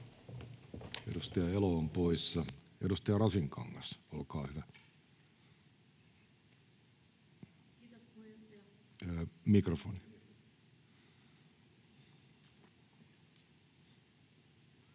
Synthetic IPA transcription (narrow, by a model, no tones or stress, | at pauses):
eɾust̪ɑjɑeloːmpoisɑeɾust̪ɑjɑɾɑsiŋkɑ̰ŋːɑsolkɑːhyʋæ | mikrofoni